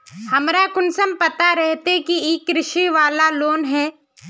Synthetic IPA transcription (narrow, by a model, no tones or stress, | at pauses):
hɐmɾakʊnsəmpɐt̪aɾɛɦt̪ekieːkɾɪʃiʋaːlaloːnɦɛː